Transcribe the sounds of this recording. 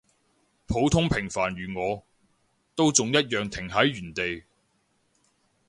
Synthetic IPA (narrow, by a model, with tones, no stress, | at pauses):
pʰo˨˥wt̪ʰʊ˥ŋpʰɪ˨˩ŋfaː˨˩nɥyː˨˩ŋɔː˨˧ | t̪o˥wt͡sʊ˨ŋjɐ˥t̚jœː˨˩ŋt̪ʰɪ˨˩ŋɦɐ˨˥jɥyː˨˩nt̪e˨j